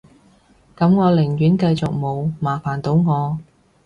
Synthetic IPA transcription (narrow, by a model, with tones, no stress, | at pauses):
kɐ˨˧˥mŋɔː˨˧lɪ˨˩ŋɥyː˨˥nkɐ˧jt͡sʊ˨k̚mo˨˧wmaː˨˩faː˨˩nt̪o˨˧˥wŋɔː˨˧